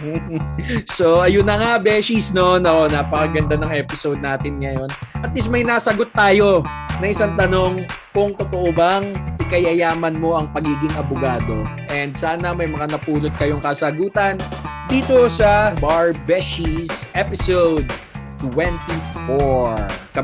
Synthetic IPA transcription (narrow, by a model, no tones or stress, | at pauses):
so̞ʔɐjʊnɐŋabɛʃisnonoʔonɐpɐkɐɡɐnd̪anɐŋʔɛːpɪsowd̪̚naːt̪ɪnŋɐjo̞nʔɐt̪̚lismɐjnaːsɐɡo̞t̪ːaːjo̞nɐʔɪsaŋt̪ɐno̞ŋkʊŋt̪ot̪oʔobɐŋʔɪkɐjɐjaːmɐnmo̞ʔɐŋpɐɡiːɡɪŋʔɐbʊɡaːd̪o̞ʔɛnd̪̚saːnɐmɐjmɐŋanɐpuːlot̪̚kɐjoŋkɐsɐɡuːt̪ɐnd̪iːt̪o̞sɐbaɹbɛʃisʔɛpɪsowd̪̚t̪wɛnt̪ifoɹkɐ